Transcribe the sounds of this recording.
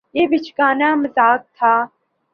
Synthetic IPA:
jeːbit͡ʃʰɡaːnaːmɐzaːk̚t̪ʰaː

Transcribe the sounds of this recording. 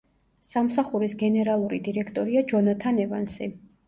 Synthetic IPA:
samsaχuɾisɡɛnɛɾalˠuɾid̪iɾɛkʰt̪ʼɔɾiad͡ʒɔnat̪ʰanɛva̰nsḭ

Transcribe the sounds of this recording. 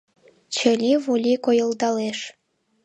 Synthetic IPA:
t͡ɕə̆lʲiβulʲikojə̆ld̪ɑleʃ

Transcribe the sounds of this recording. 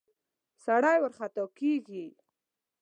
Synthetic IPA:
saɽajwəɾχat̪ɑkeɡi

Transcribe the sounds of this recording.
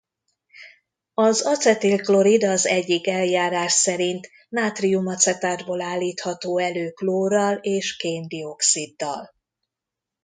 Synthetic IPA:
ɒzɒt̪sɛt̪ilklo̞ɾid̪ɒzɛɟːikɛljaːɾaːʃsɛɾint̪ | maːt̪riumɒt̪sɛt̪aːd̪boːlaːlːiːt̪hɒt̪oːɛløːkloːɾɒleːʃkeːnd̪io̞ksid̪ːɒ̰l

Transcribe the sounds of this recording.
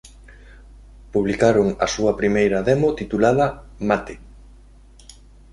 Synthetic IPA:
puβlikaɾoŋɐ̰suɐpɾimejɾɐðɛmot̪it̪ulaðɐmat̪e

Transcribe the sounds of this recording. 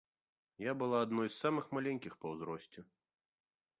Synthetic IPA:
jabɨlˠaːd̪nɔjsːamɨxmalʲɛnʲkʲixpɐwzɾɔsʲt͡sʲɛ

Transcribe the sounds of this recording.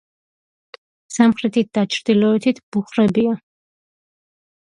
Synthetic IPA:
samχɾɛt̪ʰit̪̚d̪̥at͡ʃʰɾd̪ilɔɛt̪ʰit̪ʰb̥uχɾɛbia

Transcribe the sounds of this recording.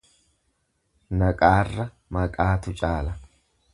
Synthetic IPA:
nɐkʼaːrːɐ | mɐkʼaːt̪ʊt͡ʃʼaːlɐ

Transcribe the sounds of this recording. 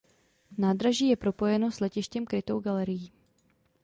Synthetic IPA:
naːdɾaʒiːjɛpɾo̞po̞jɛno̞slɛcɪʃcɛmkɾɪt̪o̞wɡalɛɾɪjiː

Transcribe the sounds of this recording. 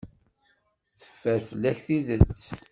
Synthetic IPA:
θə̥fːəɾfəlːæçθiðət͡sː

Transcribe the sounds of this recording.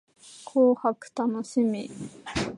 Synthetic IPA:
kʰoːhakɯ̟̥t̪anoɕimʲi

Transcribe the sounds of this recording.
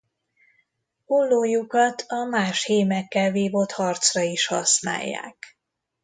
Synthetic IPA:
ulːoːjukɒt̪ʰɒmaːʃheːmɛkːɛlveːvo̞t̪hɒrt̪srɒiʃhɒsna̰ːjːa̰ːk

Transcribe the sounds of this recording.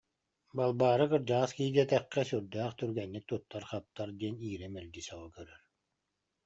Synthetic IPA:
balˠbaːɾɯkɯɾd͡ʑaskiːd̪iɛt̪ɛqːɛsyɾd̪æːχt̪yɾɡɛnːik̚t̪ut̪ːaɾχap̚t̪ːaɾd̪iɛniːɾɛmɛlɡ̪isaʁɔkœɾœɾ

